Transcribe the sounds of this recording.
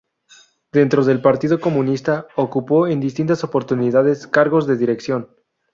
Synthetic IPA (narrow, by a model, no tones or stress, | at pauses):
d̪̥e̞nt̪ɾo̞ðe̞lpaɾt̪iðo̞ko̞mũnist̪aokupo̞e̞nd̪ist̪int̪aso̞po̞ɾt̪uniðaðe̞skaɾɣo̞zðe̞ðiɾeksjo̞n